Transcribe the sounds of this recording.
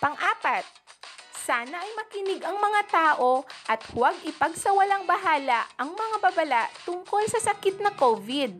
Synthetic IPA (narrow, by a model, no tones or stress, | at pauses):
pɐŋʔaːpɐt̪̚saːnɐʔɐjmɐkɪnɪɡʔɐŋmɐŋat̪aːʔo̞ʔɐt̪̚hʊwaɡ̚ɪpɐɡsɐwɐlaŋbɐɦaːlɐʔɐŋmɐŋababɐlaʔt̪ʊŋko̞lsɐsɐkɪt̪̚nɐkovɪd̪̚